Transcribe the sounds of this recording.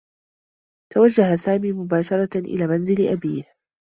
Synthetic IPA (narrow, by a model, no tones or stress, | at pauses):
t̪awad͡ʒːaɦasaːmiːmʊbaːʃɑɾˤɑʔɪ̰laːmanzɪlʔabiːh